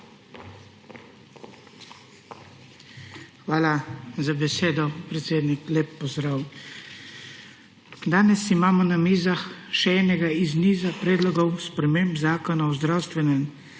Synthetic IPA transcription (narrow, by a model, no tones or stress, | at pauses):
xʋaːlazabɛseːd̪ɔpɾɛt̪seːd̪nikleːpːɔzd̪ɾaːw | d̪aːnɛsimaːmɔnamiːzaxʃɛɛːnɛɡaizniːzapɾɛːd̪lɔɡɔwspɾɛmeːmbzaːkɔnaɔzd̪ɾawst̪ʋɛnɛm